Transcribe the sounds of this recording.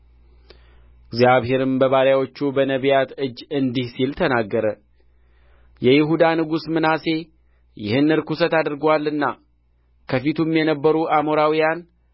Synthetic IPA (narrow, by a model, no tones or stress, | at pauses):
ɪɡzjaβɦe̞ɾɨmbəβaɾjawo̞t͡ʃːubənəβjat̪ɨd͡ʒːɨnd̪ihsilt̪ʰənaɡːəɾə | jɛjɪɦud̪anɨɡusmɨnase̞ | jɪ̰hɨnːɨɾkusət̪ad̪ɨɾɡwalːɨnːa | kʰəfit̪ʰumjɛnəbːəɾuamo̞ɾawijan